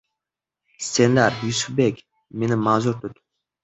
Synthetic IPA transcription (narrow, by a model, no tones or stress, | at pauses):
senlaɾjysubekʲ | menimazoɾt̪øt̪